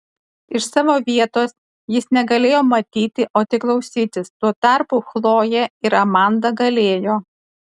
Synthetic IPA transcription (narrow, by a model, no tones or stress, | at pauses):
ɪʃsɑːʋoːʋʲiɛt̪oːs | jɪsnʲɛɡɐlʲeːjoːmɐt̪ʲiːt̪ʲɪʔoːt̪ʲɪklˠɐʊsʲiːt̪ʲɪst̪uɔt̪ɑˑɾpuxlˠoːjɛɪɾɐmɑˑnd̪ɐɡɐlʲeːjoː